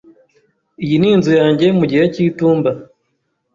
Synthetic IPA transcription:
ijiniːnzujaːɲɟe̞muɟiheciːtuːmba

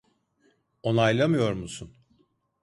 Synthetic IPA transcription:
o̞najlˠamɯjo̞ɾmusun

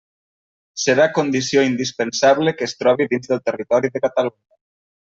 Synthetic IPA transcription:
seɾakond̪isioind̪ispensaβlekeːst̪ɾɔβ̞iðinzðəlˠt̪erit̪ɔɾiðəkat̪aluɲə

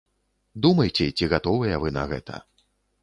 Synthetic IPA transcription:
d̪umɐjt͡sʲɛt͡sʲiɣat̪ɔvɨjɐvɨnɐ̰ɣɛ̰t̪ʰɐ̰

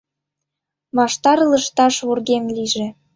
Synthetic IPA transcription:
βɑʃt̪ɑɾɤlə̆ʃt̪ɑʃβurɣemliʒĕ

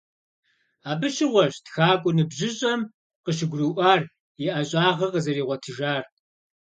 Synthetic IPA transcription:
aːbɨɕɪʁʷɔɕtxaːkʷʼʊnɨbʒʑɪɕʼɐm | qəʃ̬ɪɡʷrɨʔʷaːr | iʔɐɕʼaːʁɐqəzɐriːʁʷɔtʰɨʒaːr

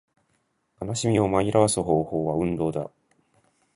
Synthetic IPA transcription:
kanaɕimʲio̞maiɾaβasɨɦo̞ːho̞ːβaɯ̟̃nd̪o̞ːd̪a̰

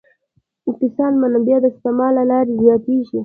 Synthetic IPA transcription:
kɪsɑːnmanabjɑd̪əst̪emɑlalɑːɾizjɑːt̪iʃi

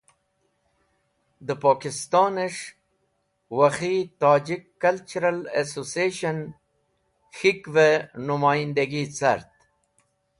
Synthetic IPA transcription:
d̪əpɑːkɪst̪ɑːneʂ | waxit̪ɑːd͡ʒikːalt͡ʃuɾalesosieʃan | xikvenʊmaːjind̪aɡit͡sa̰ɾt̪̚

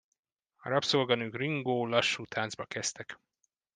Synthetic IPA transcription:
ɒ̰ɾɒpsolɡɒnøːkriŋɡoːlɒʃːuːt̪ʰaːnzbɒkɛst̪ɛk

